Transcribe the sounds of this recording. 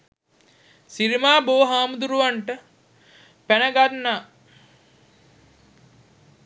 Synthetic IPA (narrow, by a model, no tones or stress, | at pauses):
siɾimaːboːɦaːmud̪uɾuʋaɳʈə | pænəɡanːa